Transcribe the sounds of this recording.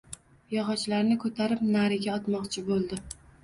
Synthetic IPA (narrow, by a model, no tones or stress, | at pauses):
jɒʁɒt͡ʃlaɾnɪkʰɵt̪ʰaɾɪp̚naɾɪɡʲaɒt̪mɒqt͡ʃʰɪbolˠd̪ɪ